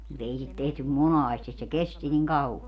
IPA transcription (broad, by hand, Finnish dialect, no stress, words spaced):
mut ei sit tehtym monɑːstis se kesti niŋ kɑuɑ